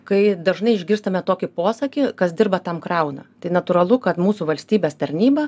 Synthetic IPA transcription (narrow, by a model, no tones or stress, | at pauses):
kɐɪd̪ɐʒnɐɪɪʒʲɡʲɪɾst̪ɐmʲɛt̪oːkʲɪpoːsɐkʲɪkɐsdʲɪrbɐt̪ɐmkɾɐʊnɐ̰t̪ɐɪnɐt̪ʊɾɐlˠʊkɐt̪muːsuʋɐlʲsʲt̪ʲiːbʲeːst̪ɐɾʲnʲiːbɐ